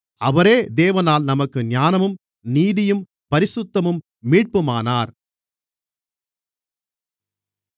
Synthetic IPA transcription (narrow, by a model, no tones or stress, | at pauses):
ɐʋɐɾeːd̪eːʋɐnaːlnɐmɐkːɯɲjaːnɐmɯm | niːðɪjɯm | pɐɾɪsʊt̪ːɐmɯmː | iːʈ̚pɯmaːnaːɾ